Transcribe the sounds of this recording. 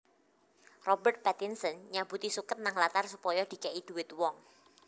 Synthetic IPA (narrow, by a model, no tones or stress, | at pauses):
rɔbərt̪̚pat̪ɪnsənɲab̥ut̪isukət̪̚naŋlat̪arsupɔjɔd̪̥i̤kaʔid̪̥ṳwɪt̪wɔŋ